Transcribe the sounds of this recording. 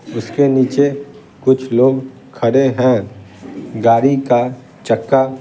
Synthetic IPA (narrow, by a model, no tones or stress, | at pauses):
ʊskeniːt͡ʃe | kʊt͡ʃʰloːɡ | kʰɐɽeɦɛ̃ | ɡaːɾika | t͡ʃəkːa